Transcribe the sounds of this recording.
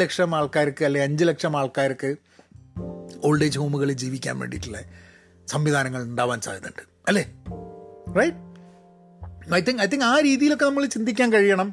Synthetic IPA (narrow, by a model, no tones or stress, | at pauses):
lekʂɐmaːɭkaːɾɐkːɨɐlːeɐɲd͡ʑɨlekʂɐmaːɭkaːɾɐkːɨ | o̞ːɭɖeːd͡ʑhoːmuɣɐɭed͡ʑiːʋikʲːa̰ːnʋḛːɳɖiʈːuɭːɐ | sɐmʋid̪ʱaːnɐŋːɐɭuɳɖaːʋaːnsa̰ːjɐðuɳɖɨ̥ | ɐlːe | rɐjʈ̚ | ɐjt̪ːiŋɐjt̪̬ːiŋɡaːɾiːðijilo̞kːenɐmːɐɭt͡ɕind̪ikʲːaːnkɐɻijɐɳɐm